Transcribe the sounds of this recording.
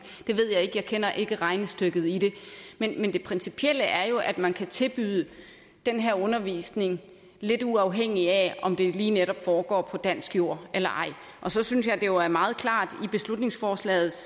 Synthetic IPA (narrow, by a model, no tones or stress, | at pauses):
d̥e̝ʋe̝ð̰ˠjɑ̈ɪe̝ɡ̥əjɑ̈ɪkʰenɐʔe̝ɡ̥əʁɑ̈ɪnəsd̥øɡ̥ð̞̩ˠid̥e̝menmend̥e̝pʰʁɛnsipʰiel̰əʔæɐjo̝ʔæd̥mænkʰæt͡sʰe̝lb̥yðˠə | d̥enɦeɐɔ̽nɐʋḭːsne̝ŋ | le̝d̥uɑ̈ʊɦeŋ̰iæɒ̽md̥e̝liːneɾɒ̽b̥fɒːɡ̥ɒ̰ːpʰɒ̽d̥æn̰sɡ̥jo̝ɐ̰elɐʔɑ̈ɪ̰ | ʔɒ̽sɒ̽synsjɑ̈ɪd̥ejo̝æɐmɑ̈ːð̩ˠkʰlɑ̰̈ːd̥ib̥e̝slud̥ne̝ŋsfɒːslɛ̰ːð̞̩ˠs